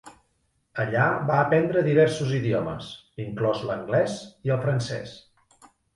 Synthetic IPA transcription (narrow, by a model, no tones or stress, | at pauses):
əʎaβaəpɛnd̪ɾəðiβ̞ɛɾsuziðiɔmə̰siŋklɔzləŋɡlɛsiəlˠfɾənsɛ̰s